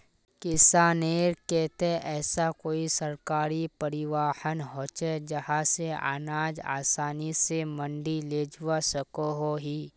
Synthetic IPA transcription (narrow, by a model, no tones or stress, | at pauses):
kɪsaːneːɾkɛːt̪eɛːsakoːisɐɾkaːɾipɐɾɪʋaːhənɦoːt͡ʃed͡ʒɐhãsea̰ːnaːd͡ʒa̰ːsaːnisemə̃ɳɖileːd͡ʒʊwasəkoɦoɦiː